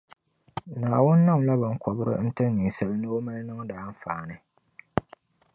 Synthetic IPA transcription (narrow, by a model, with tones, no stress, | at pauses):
naː˨wʊ˦nː˦ɨ˦ŋ˨la˦bɨ˨ŋkɔ˨bɨ˦ɾɨ̰˦n̩˦tɨ˦n˦ni˨sa˨lɨ˦nɨ˦o˦ma˦lnɨ˦ŋ˦daː˨˦n˦faː˨nɨ˨